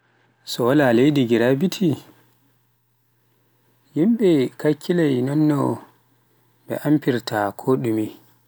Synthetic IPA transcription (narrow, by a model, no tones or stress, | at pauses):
sɔwalalejdiɡiɾabitʰi | jimɓɛkakʰːilajnɔnːɔ | ɓɛ̰ʔampiɾtʰakʰoɗumi